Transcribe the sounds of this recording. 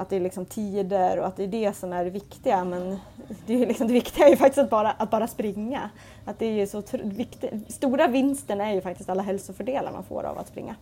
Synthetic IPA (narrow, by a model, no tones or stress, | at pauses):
at̪̚d̪ɛːlɪksɔmt̪ʰiːd̪əɾɔat̪̚d̪ɛːɖɛsɔmæɾvɪkt̪ɪɡamɛn | d̪ɛlɪksɔmd̪ɛvɪkt̪ɪɡaɛɾjɵfak̚t̪ɪst̪t̪̚bɑːɾaʔat̪̚bɑːɾaspɾɪŋːa | at̪̚d̪ɛæɾjɵsɔt̪ʰɾvɪkt̪ɪst̪uːɾavɪnst̪əɳæɾjɵfak̚t̪ɪst̪alːaɦɛlsʊfœɖeːla̰ɾma̰nfo̰ːɾa̰va̰t̪spɾɪ̰ŋːa